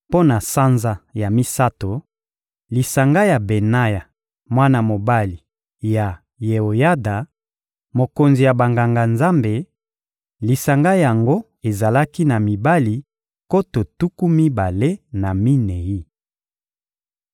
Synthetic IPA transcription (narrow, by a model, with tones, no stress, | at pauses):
po˦na˨sa˦nza˦˨ja˨mi˦sa˦to˨ | li˨sa˨ŋɡa˦ja˨be˨na˦ja˨ | mwa˦na˨mo˨ba˦li˨ | ja˨ | je˨o˨ja˦da˨ | mo˨ko˨nzi˨ja˨ba˨ŋɡa˨ŋɡa˨nza˦mbe˨ | li˨sa˨ŋɡa˦ja˨ŋɡo˦ | e˨za˨la˦ki˦na˨mi˨ba˦li˨ | ko˦to˨tu˦ku˦mi˦ba˨le˦na˨mi˦ne˨ji˦